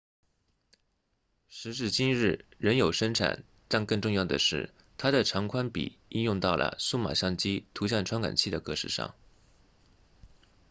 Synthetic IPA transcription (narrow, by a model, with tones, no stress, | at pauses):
ʂɻ̩˧˥ʂ̬ɻ̩˥˩t͡ɕi˥nɻɻ̩˥˩ɻə˧˥njo˨˩ʊʂə˥nʈ͡ʂʰa̰˨˩n | ʈ͡ʂa˥˧ŋkɤ˥˧ŋʈ͡ʂʊ˥˧ŋjɑ˥˩ʊd̪ə̰˩ʂɻ̩˥˩ | t̪ʰa˥d̪ə˨ʈ͡ʂʰɑ˧˥ŋkʰwa˥npḭ˨˩i˥˧njʊ˥˧ŋt̪ɑ˥˩ʊlʔə̰˩su˥˩ma̰˨˩ɕjɑ˥˩ŋt͡ɕi˥t̪ʰu˧˥ɕ̬jɑ˥˩nʈ͡ʂʰwa˥nka̰˨˩nt͡ɕʰi˥d̪ə˩kɤ˥˧ʂɻ̩˧˩ʂɑ̰˥˩ŋ